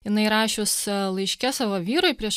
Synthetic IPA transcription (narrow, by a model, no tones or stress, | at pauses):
jɪnɐɪɾɑːʃʲʊslˠɐɪʃʲkʲɛsɑʋoːʋʲiːɾʊɪpʲɾʲiɛʃ